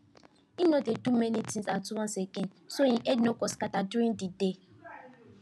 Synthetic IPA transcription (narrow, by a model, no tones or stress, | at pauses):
inodetumenitĩsatuwɔ̃nseken | soĩʔednokɔskataduɾĩndide